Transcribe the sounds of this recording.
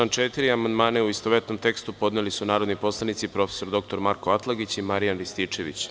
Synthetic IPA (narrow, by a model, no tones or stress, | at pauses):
ant͡ʃet̪iɾiamand̪maːneuist̪oʋet̪no̞mt̪e̞kst̪upo̞d̪nelisunaːɾo̞d̪nipo̞slˠanit̪sipɾo̞fe̞̥so̞ɾd̪o̞k̚t̪o̞ɾmaɾkoat̪lˠaɡit͡ɕimaɾijanɾist̪iːt͡ʂe̞ʋḭt͡ɕ